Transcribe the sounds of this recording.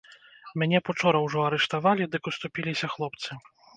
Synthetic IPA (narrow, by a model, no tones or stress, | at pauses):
mʲanʲɛput͡ʂɔɾɐwʐɔɐɾɛʂt̪avalʲid̪ɨkust̪upʲilʲisʲɐxlˠɔpt̪sɨ